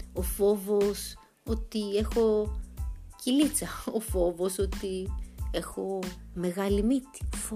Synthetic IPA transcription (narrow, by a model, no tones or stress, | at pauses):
ofo̞vos | o̞t̪ie̞xo̞ | cilit͡sɐofo̞voso̞t̪ie̞xo̞me̞ɣɐlimit̪i̥